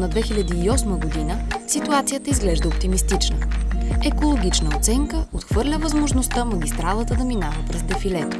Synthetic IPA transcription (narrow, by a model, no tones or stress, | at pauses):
nɐd̪vɛxilʲɐd̪iːɔsməɡod̪inəsit̪uat̪sijət̪əizɡlɛʒd̪əop̚t̪imist̪it͡ʃnəɛkolˠoɡ̟it͡ʃnəot̪sɛŋkəot̪xvɤɾlʲəvəzmoʒnost̪əmɐɡ̟ʲist̪ɾalˠət̪əd̪ɐminavəpɾɛzd̪ɛfilɛt̪